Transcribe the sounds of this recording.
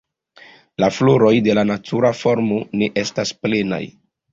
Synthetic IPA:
lafloɾo̞jde̞lanatʰuɾafo̞ɾmo̞ne̞ʔe̞stasple̞na̰j

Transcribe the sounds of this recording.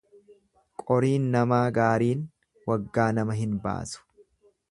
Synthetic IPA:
kʼɔɾiːnːɐmaːɡaːɾiːn | wɐɡːaːnɐmɐɦɪnba̰ːsʊ̥

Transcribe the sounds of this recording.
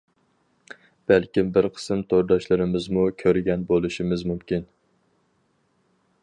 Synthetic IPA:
b̥ælkʲimbɪɾqʰə̥sɨmt̪ʰoɾd̪ɑʃlɪɾɪmɪzmukʲʰøɾɡʲɛnbolˠɨʃimɪzmumkʲin

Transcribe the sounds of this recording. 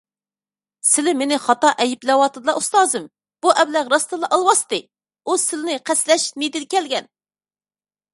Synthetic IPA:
sɪlɪmenɪχɑt̪ɑʔɛjɪplɛwɑt̪ʰɨd̪ɨlˠɑʔust̪ɑːzɨm | b̥uʔɛwlæʁɾɑst̪ɨlˠɑʔɑlˠwɑst̪ɨ | usɪlɪnɪqʰæslɛʃnid̪ɪlkʲɛlɡʲɛn

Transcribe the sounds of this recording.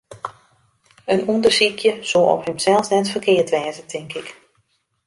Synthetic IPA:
ənundərsikʰjəsoːɔ̰phɪmsɛlˠfsnɛtfərkʰɪːtʋɛːzətʰɪŋkɪk

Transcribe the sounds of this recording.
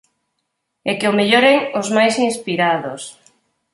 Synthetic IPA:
ekeomeʎoɾeŋozmajsinspiɾaðos

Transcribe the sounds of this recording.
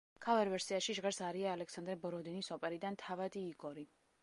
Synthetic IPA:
kʰavɛɾvɛɾsiaʃiʒʁɛɾsaɾiaːlɛksand̪ɾɛbɔɾɔd̪inisɔpʼɛɾid̪ant̪ʰavad̪iːɡɔɾi

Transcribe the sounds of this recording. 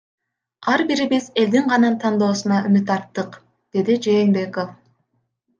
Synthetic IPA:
ɑɾbiɾibise̞ld̪iɴʁɑnɑnt̪ʰɑnd̪o̞ːsunɑymyt̪ɑɾt̪ːɯq | d̪̥e̞d̪id͡ʒe̞ːnbe̞ko̞f

